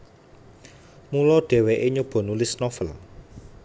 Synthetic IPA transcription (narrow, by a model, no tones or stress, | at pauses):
mulɔɖ̥e̤weʔeɲub̥ɔ̤nulɪsnɔfəl